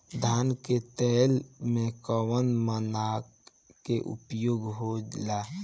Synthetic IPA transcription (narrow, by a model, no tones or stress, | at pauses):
d̪ʱanket̪ɛlmekəwənmənak | keʔṵpjoɡɦod͡ʒla